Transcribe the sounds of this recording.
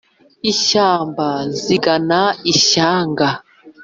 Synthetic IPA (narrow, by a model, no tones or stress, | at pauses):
iʃaːmbaziɡanaiʃaːŋɡa